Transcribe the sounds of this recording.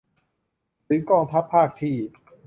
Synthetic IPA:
sɯː˩˦kɔː˧ŋt̪ʰa˦˥pʰːaː˥˩k̚t̪ʰiː˥˩

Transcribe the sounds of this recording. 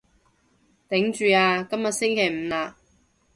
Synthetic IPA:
t̪ɪ˨˥ŋt͡ʃyː˨˧aː˧kɐ˥mjɐ˨t̚sɪ˥ŋkʰe˨˩jm̩˨˧laː˧

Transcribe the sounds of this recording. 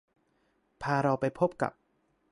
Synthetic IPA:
pʰaː˧ɾa˧wpa˧jpʰo˦˥˩p̚ka̰˨˩p̚

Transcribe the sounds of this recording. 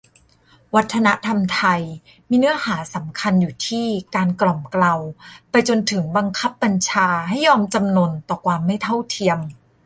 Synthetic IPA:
wa˦˥t̪ʰːa˧na˦˥ʔt̪ʰa˧mt̪ʰa˧j | miː˧nɯ˦˥ɐhaː˩˦sa˩˦mkʰa˧njuː˨˩t̪ʰiː˥˩kaː˧nklɔ˨˩mkla˧wpa˧jt͡ɕo˧nt̪ʰɯ˩˦ŋba˧ŋkʰa˦˥pːa˧nt͡ɕʰaː˧ɦa˥˩jːɔː˧mt͡ɕa˧mno˧nt̪ɔː˨˩kʰwaː˧mːa˥˩jt̪ʰa˥˩wt̪ʰi˧əm

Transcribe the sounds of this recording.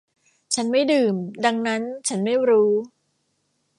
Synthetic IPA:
t͡ɕʰa˦˥nma˥˩jdɯː˨˩mda˧ŋna˦˥nt͡ɕʰa˦˥nma˥˩jɾuː˦˥

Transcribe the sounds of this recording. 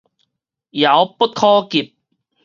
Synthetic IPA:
jɐ˨˧wpu˥t̚kʰɔː˥kiː˨p̚

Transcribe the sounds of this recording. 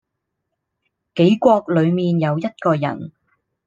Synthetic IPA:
ke˨˥jkʷɔː˧k̚lɵ˨˧ɥmiː˨njɐ˨˧wjɐ˥t̚kɔː˧jɐ̰˨˩n

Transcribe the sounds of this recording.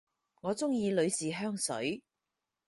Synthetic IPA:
ŋɔː˨˧t͡sʊ˥ŋjiː˨˧lɵ˨˧ɥsiː˨ɦœː˥ŋsɵ̰˨˥ɥ

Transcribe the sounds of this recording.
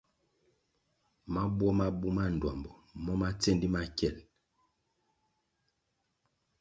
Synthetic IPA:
ma˦bwɔ˦ma˦bu˦ma˦n̩˨dwa˨mbɔ˨mɔ˦ma˦t͡se˦ndi˦ma˦kɛ˦˨l

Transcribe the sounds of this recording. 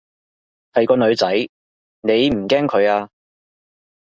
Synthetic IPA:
hɐ˨jkɔː˧nɵ˨˧ɥt͡sɐ˨˥j | ne˨˧jm̩˨˩kɛː˥ŋkʰɵ˨˧ɥaː˧

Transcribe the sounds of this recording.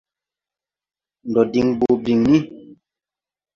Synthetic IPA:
n˨dɔ˨di˨ŋbo˨bi˨ŋni˦

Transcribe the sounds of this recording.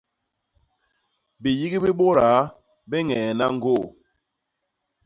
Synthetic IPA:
bi˨ji˦ɡi˦bi˦ɓo˦ɾa˨˦ | bɛ˦ŋɛ˨na˦ŋ˦ɡo˦˨

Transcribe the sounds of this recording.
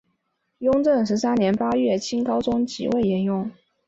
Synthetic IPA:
jʊ˥ŋʈ͡ʂɤ˥˩ŋʂ̬ɻ̩˧˥sa˥njɛ˧˥npa˥ɥɛ˥˩t͡ɕʰi˥nkɑ˥ʊt͡sʊ˥ŋt͡ɕḭ˨˩we˥˩ɪɛ˥˩njʊ˥˩ŋ

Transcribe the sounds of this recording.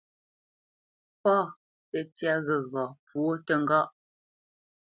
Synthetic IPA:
pɔː˦˨ | tə˨tja˦ɣə˨ɣɔ˨pwo˦tə˨ŋ̩˦ɡɔ˦ʔ

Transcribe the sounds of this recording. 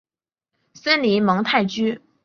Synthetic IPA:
sə˥nli˧˥mɤ˧˥ŋt̪ʰa˥˩ɪt͡ɕy˥

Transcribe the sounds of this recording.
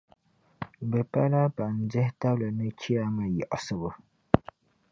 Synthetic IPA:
bɛ˨pa˦la˦pa˨n̩˨d͡ʒɛ˦hta˦blɨ˨nɨ˦t͡ʃi˦a˦ma˨jɔ˨ʔsɨ˨bʊ˦

